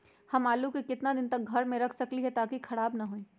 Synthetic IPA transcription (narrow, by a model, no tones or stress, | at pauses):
hɐmaːlukikɪt̪nad̪ɪnt̪ɐk̚ɡʱɐɾmẽɾɐkʰsɐkliɦɛt̪aːkikʰɐɽaːbnaɦoːiː